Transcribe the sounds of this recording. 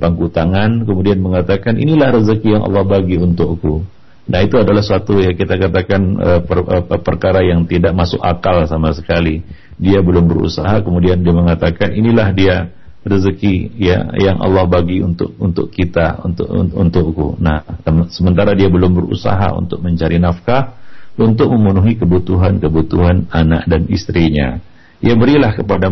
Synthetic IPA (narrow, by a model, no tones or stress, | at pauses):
paŋkut̪aŋankəmudianməŋat̪akanḭnilahɾəzəkijaŋʔɑ̰lːɑhbaɡiunt̪ʊkku | nʔahit̪uadalahsuat̪ujakit̪akat̪akanə̰əəpərkaɾajaŋt̪idaʔ̚masʊ̰kakalsamasəkali | diabəlʊmbəɾṵsaɦakəmudiandiaməŋat̪akaninilahdia | rəzəkija̰jaŋʔɑ̰lːɑhbaɡiunt̪ʊʔunt̪ʊ̰kkit̪aunt̪ṵnt̪ʊʔkṵnamsəmənt̪aɾadiabəlʊmbərṵsa̰ɦa̰ṵnt̪ʊk̚məɲt͡ʃaɾinafkaunt̪ʊk̚məmunuɦikəbut̪uɦankəbut̪uɦanana̰ʔdanḭst̪ɾiɲa̰ | ijabəɾilahkəpada